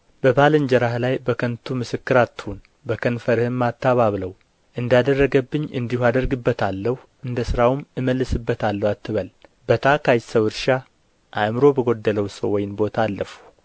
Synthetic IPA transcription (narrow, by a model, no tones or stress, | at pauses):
b̥əbalɨnd͡ʒəɾahlajbəkʰənt̪ʰumɨsɨkːɨɾat̪ːhun | bəkʰənfəɾhɨmːat̪ʰːaβaβləw | ʔɨnd̪jad̪ərːəɡəbːɨɲːɨnd̪ihuad̪əɾɡɨbːət̪ʰalːəhu | ʔɨnd̪əsɨɾawmɨməlːɨsɨbːət̪ʰalːəwat̪ːɨβəlbət̪ʰakʰajsəwɨɾʃa | ʔamɨɾo̞bəɡo̞d̪ːələwsə̰wːɔjɪnbo̞t̪ʰaːlːəfu̥